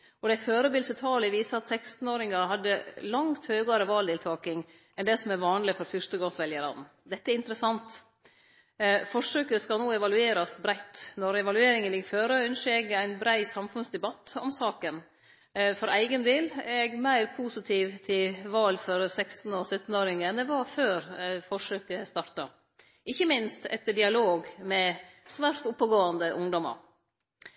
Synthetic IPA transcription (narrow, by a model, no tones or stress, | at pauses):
ɔd̪æɪføːɾəbɪlsət̪ʰɑːləʋiːsəɑt̪sɛkst̪n̩oːɾɪŋɑɾɦɑd̪ːəlɑŋt̪høːɡɑɾəʋɑːld̪ɪːlt̪ʰɑːkɪŋ | ɛnd̪ɛsɔmɛɾʋɑːnlɪfɔɾfʏʂt̪əɡɑsʋɛljəɾɑ̰d̪n̩ | d̪ɛt̪ːəæɾɪnt̪ɾəsɑnt̪ | fɔʂøːkəskɑlnoːɛʋɑlʉeːɾɑsbɾæɪt̪ːnɔɾɛʋɑlʉeːɾɪŋənlɪɡføːɾəœnʂɛɡæɪnbɾæɪsɑmfʉnsd̪ɛbɑt̪ːɔmsɑːkən | fɔɾæɪɡənd̪eːlæɛɡmæɪɾpʰuːsɪt̪ʰiːʋt̪ʰɪlʋɑːlfɔɾsɛkst̪n̩ɔsœt̪ːnoːɾɪŋəɛnd̪ɛʋɑɾføːɾfɔʂøːkəst̪ɑɾt̪ɑ | ɪçːəmɪnst̪ɛ̰t̪ːəɖɪɑloːɡmɛsʋæɾt̪ʊpːəɡoːɑnd̪əʔʊŋd̪ɔmɑ̰ɾ